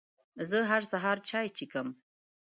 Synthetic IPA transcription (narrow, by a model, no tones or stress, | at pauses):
zəɦaɾsaɦɑɾt͡ʃɑjt͡ʃikəm